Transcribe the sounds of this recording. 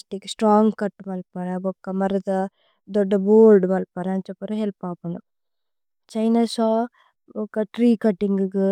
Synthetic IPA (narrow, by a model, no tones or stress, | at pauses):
sʈikːsʈɾaːŋɡkɐʈːmɐlpɐɾɐbɔkːɐmɐɾɐd̪ɐ | d̪ɔɖːɐboːlɖmɐlpɐɾɐɐnt͡ʃɐpːɐɾɐɦɛlpaːpund̪u | t͡ʃɐjnasaː | ɔkːɐʈɾiːkɐʈːiŋɡuɡ